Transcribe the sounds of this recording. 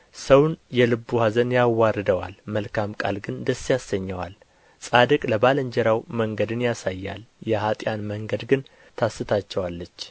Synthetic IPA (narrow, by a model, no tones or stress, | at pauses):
səwnjɛlɨbːuhazənjawːarːɨd̪əwa̰lməlkʰamkʼa̰lɡɨnd̪əsːijasːəɲːəwa̰l | sʼad̪əkʼləbaləɲd͡ʒɛɾawməŋɡəd̪ɨnjasajːa̰ljɛhat̪ʼjanməŋɡəd̪ɡɨn | t̪ʰasːɨt̪ʰat͡ʃːɛwalːət͡ʃː